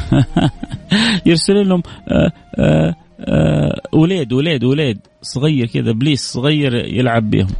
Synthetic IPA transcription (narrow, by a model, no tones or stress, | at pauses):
jɪɾsɪliːnhʊm | wleːd̪wleːd̪wleːd̪ | sˤʊɣajːɑɾkɪd̪abliːssˤɣajːɑɾjɪ̰lʕabːḭːhʊm